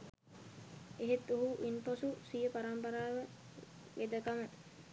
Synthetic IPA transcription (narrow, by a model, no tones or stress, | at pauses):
eɦet̪ːoɦuʔinposusijəpaɾampɐɾaːʋə | ʋed̪əkamə